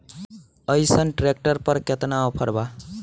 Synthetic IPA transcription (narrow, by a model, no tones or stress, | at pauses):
əjsənʈɾek̚ʈəɾpəɾket̪naopʰəɾba